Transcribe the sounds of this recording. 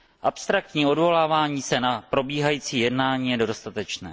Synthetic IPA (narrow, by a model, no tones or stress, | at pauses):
ʔapst̪ɾak̚t̪ɲiːo̞dvo̞laːvaːɲiːsɛnapɾo̞biːɦajiːt͡siːjɛdnaːɲiːjɛdodost̪at̪ɛt͡ʃnɛː